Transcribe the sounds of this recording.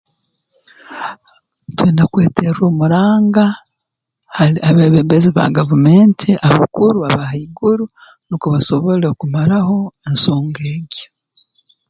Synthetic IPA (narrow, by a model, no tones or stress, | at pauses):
tweːnakwe̞ːteɾoːmuɾaːŋɡa | haiaβeːβeːmbeziβa̰ɡavume̞ːntʰiʔaβakuɾuaβahaiɡuɾu | nokuβaso̞βo̞lekumaɾaho̞enso̞ːŋɡeːɡe̥